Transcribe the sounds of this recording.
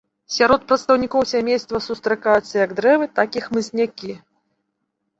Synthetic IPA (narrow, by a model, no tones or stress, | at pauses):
sʲaɾɔt̪̚pɾɐt̪st̪ɐwnʲikɔwsʲamʲejst̪vɐsust̪ɾɨkajut̪sːɐjɐɡd̪ɾɛvɨt̪akixmɨsʲnʲakʲi